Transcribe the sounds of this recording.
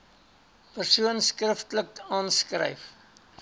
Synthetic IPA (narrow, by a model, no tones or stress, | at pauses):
pərsuənskrəftləkɑːnskrɛ̰jf